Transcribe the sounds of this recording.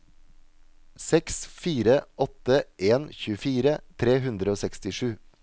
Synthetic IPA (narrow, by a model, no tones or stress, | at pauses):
sɛksfiːɾəʔɔt̪əʔeːnçʉːəfiːɾət̪ʰɾeːɦʉnd̪ɾəoːsɛkst̪ɪʂʉː